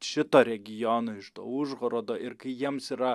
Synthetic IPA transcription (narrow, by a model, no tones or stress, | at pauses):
ʃʲɪt̪oːɾʲɛɡʲɪjonoːɪʃt̪o̰ʊʒɣoɾoːd̪oːʔɪɾkɐɪjiɛmsiːɾɐ